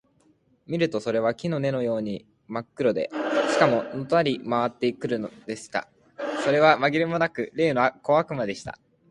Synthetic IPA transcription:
mʲiɾɯ̟t̪o̞so̞ɾe̞β̞akʲino̞ne̞no̞jo̞ːɲ̟i | makːɯ̟ɾo̞d̪e̞̰ɕi̥kamo̞not̪oaɾʲimaβ̞at̪ːe̞ikɯ̟ɾɯ̟nod̪e̞ɕi̥t̪a̰ | so̞ɾe̞βamaɡʲiɾʲɯmo̞nakɯ̟ɾe̞ːno̞ako̞akɯ̟mad̪e̞ɕi̥t̪a̰

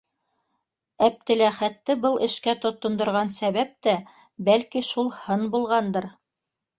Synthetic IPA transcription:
æp̚t̪ɘ̆læχæt̪ːɘbɤlˠʔɘ̆ʃkæt̪ŏt̪ːŏnd̪ŏɾʁɑnsæβæp̚t̪æ | bælkiʃulˠhɤnbulˠʁɑnd̪ɤɾ

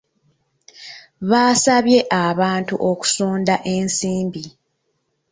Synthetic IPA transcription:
βaːsaβje̞ʔaβaːntuʔoku̥soːndaʔe̞nsiːmbi

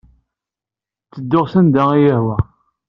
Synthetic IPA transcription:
t͡sːəd̪ːʊʁsænd̪æijəhwæ

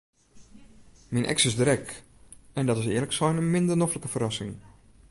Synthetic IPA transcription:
minʔɛ̰ksɪsdrɛk | ɛndɔtɪsɪərləksɔjnəmɪndərnofləkəfərɑsɪŋ

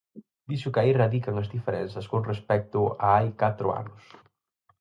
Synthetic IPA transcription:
d̪iʃʊkairaðikaŋɐzðifeɾɛnsɐskoŋrespɛk̚t̪ʊaajkat̪ɾʊ̰a̰nʊs

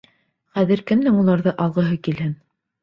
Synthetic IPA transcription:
χæðɘɾkɘmlɘŋulˠɑɾðɤʔɑlˠʁɤ̆ɦɤkilhɘn

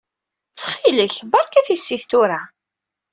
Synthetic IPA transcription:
t͡sːχiləçbɑɾˤkæθisːiθt̪ʊɾa

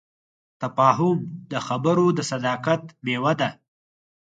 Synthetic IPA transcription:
t̪afɑːɦʊmd̪əxabəɾod̪əsad̪ɑkat̪mewad̪a

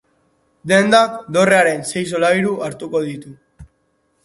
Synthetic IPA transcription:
d̪e̞nd̪akd̪o̞re̞aɾe̞nse̞js̬o̞laiɾuʔaɾt̪uko̞ðit̪u

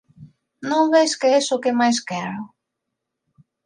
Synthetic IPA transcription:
nõmβeskeesokemajskɛɾʊ

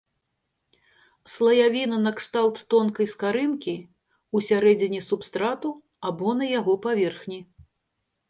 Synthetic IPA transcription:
slˠɐjavʲinɐnɐkst̪awt̪ːɔnkɐjskaɾɨnkʲi | usʲaɾɛd͡zʲinʲisupst̪ɾat̪u | abɔnɐjaɣɔpavʲɛrxnʲi

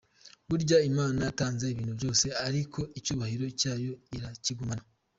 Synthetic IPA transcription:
βuɾɟaimaːnaataːnzeiβiːnuβbjo̞ːse̞aɾikʰo̞ʔicuːβahiɾo̞caːjo̞iɾaciɡumana

